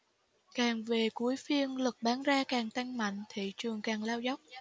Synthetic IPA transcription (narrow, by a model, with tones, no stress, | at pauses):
kaː˨˩ŋve˨˩ku˨˦əjfi˧ənlɨ˨˩k̚ɓaː˨˦nzaː˧kaː˨˩ŋt̪a˧jŋma̰˧˨jŋ̟t̪ʰḭ˧˨t͡ɕɨ˨˩əŋkaː˨˩ŋlaː˧wza˦˥wk͡p̚